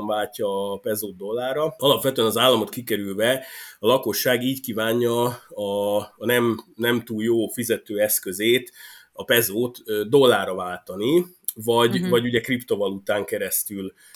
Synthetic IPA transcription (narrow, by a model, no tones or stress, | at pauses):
ɱvaːcːɒːpɛzoːd̪̚d̪o̞lːaːrɒɒlɒpʋɛt̪øɛnɒzaːlːɒmo̞t̪kikɛɾylvɛɒlɒko̞ʃːaːɡiːɟkiːvaːɲːɒː | nɛmnɛmt̪uːljoːfizɛt̪øːɛskø̞zeːt̪ | ɒpɛzoːt̪d̪o̞lːaːrɒvaːlt̪ɒni | vɒɟvɒɟuɟɛkript̪o̞vɒlut̪aːŋkɛɾɛst̪yl